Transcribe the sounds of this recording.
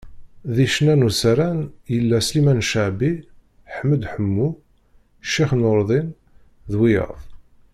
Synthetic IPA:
ðiʃnænusɾænjəlːæslimænʃəʕbi | ħmːəd̪ħəmːu | ʃiχnoɾˤðˤin | ðwijə̰ðˤ

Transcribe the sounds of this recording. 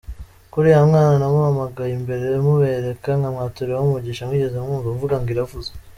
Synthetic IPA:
kuɾijamŋaːnanamuβamaɡajimbe̞ɾemuβeɾe̞kaŋɡamŋaːtuɾewamuɟiʃamwiːɟe̞zeuŋuːɡuɱvuɡaŋɡiɾavuze

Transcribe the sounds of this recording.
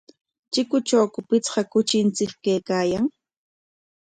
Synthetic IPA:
t͡ʃɪkʊt͡ʃawkʊpɪt͡sɢɑkʊt͡ʃɪnt͡sɪkkejkaːjaŋ

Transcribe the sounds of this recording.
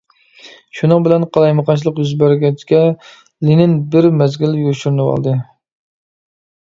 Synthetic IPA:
ʃunɨŋbɪlɛnqʰɑlˠɑjmɑqʰɑnt͡ʃʰlˠəqjyzbæɾɡʲɛt͡ʃkʲɛ | linɪnbɪɾmɛzɡʲɪljuɾʃyɾnɨwɑ̰lˠd̪ɨ

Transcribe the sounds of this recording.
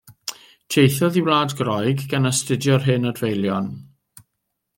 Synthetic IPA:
tʰejθɔðiwlˠaːdɡrɔjɡɡanəstɪdjɔrɦɨnɔdvejlˠjɔn

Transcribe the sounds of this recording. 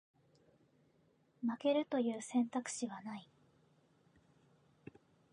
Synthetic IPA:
make̞ɾɯ̟t̪o̞jɯ̟ːsẽ̞nt̪akɯ̟̥ɕiβanai

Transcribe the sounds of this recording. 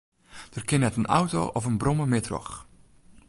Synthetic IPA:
d̥ərkɪnɛtəna̰wto̰ʔɔfənbrɔməmɪdrɔ̰x

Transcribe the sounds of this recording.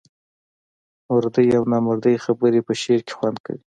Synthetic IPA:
ʊɾd̪əjawnɑmʊɾd̪əjxabəɾepəʃeɾke̥xwand̪ka̰wi

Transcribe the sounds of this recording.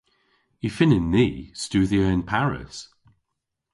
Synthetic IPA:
ifɪnɪ̃nːiːstʉːðiəɪ̃npʰaɹɪ̰s

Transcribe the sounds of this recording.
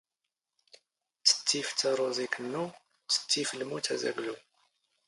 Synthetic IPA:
t͡sə̥t̪ʰːift̪ʰaɾˤuzikʰənːu | t͡sə̥t̪ʰːifəlmut̪ʰæzæ̰ɡlu

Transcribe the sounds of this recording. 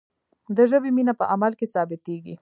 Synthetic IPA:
d̪əʒəbeminapəʔamalkesɑbɪt̪eɡḭ

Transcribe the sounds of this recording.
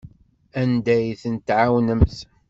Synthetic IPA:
ænd̪æjθənt̪ʕawnəmθ

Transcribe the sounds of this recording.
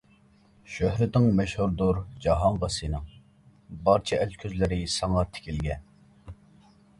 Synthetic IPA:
ʃøhɾɪt̪nɪŋmɛʃhuɾd̪uɾd͡ʒɑɦɑŋʁɑsɨnɨŋ | bɑɾt͡ʃʰɛɛlkʲʰøzlɪɾɪsɑŋɑt̪ʰɪ̥kʲʰilɡʲɛn

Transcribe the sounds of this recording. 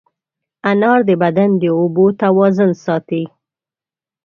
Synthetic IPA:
anɑɾd̪əbad̪and̪əobot̪awɑzʊnsɑt̪i

